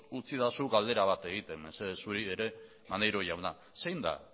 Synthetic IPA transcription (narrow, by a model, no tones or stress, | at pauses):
ut͡siðasuɣald̪e̞ɾaβ̞at̪e̞ɣ̞it̪e̞mesesuɾieɾe̞ | mand̪ejɾo̞jawna | sejnd̪a̰